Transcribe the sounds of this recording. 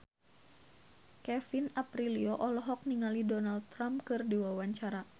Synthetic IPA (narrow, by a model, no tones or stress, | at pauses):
kɛfinapɾiliɔʔɔlɔɦɔk̚niŋalidɔnald̪̚t̪ɾampkɨrdiwawaɲt͡ʃaɾa